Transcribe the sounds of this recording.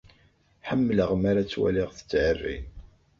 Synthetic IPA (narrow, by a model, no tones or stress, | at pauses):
ħəmːələʁmaɾat͡sːwæ̰liʁθə̥t͡sːʕərːḭn